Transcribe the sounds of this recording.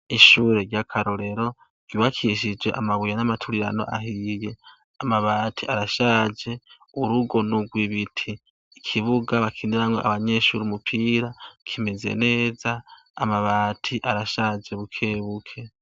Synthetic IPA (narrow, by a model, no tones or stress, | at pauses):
iʃuːɾe̞ɾɟakʰaɾoɾe̞ɾo̞ | ɡ̥iβakʰiʃ̬id͡ʒwe̞ʔa̰maβujanamatʰuɾiɾa̰no̞̰ʔa̰ɦije̞ | amaβaːtʰiʔaɾaʃaːd͡ʒe̞ | uɾuɡo̞nuɡwiβitʰiː | kʰiβuɡaβakʰindiɾaŋɡo̞̰ʔa̰βaɲe̞ʃuːɾiumupʰiːɾakʰimeze̞̰ne̞ːzaː | maβaːtʰiʔaɾaʃad͡ʒe̞βukʰe̞ːβukʰe̞